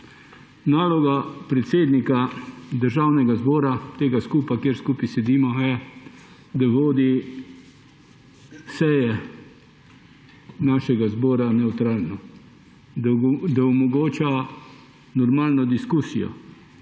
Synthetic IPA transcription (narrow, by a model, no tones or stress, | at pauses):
naːlɔɡapɾɛt̪seːd̪nikad̪əɾʒawnɛɡazbɔːɾat̪eːɡaskuːpakjeːɾskuːpisɛd̪iːmɔjɛ | d̪aʋoːd̪i | sɛjɛ | naːʃɛɡazbɔːɾanɛwt̪ɾaːlnɔ | d̪aɔmɔɡoːt͡ʃa | nɔɾmaːlnɔd̪iskuːsḭjɔ̰